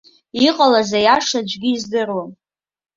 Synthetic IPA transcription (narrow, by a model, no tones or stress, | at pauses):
iqʼalazajaʂad͡ʒʷɡʲɪːzdɨrwan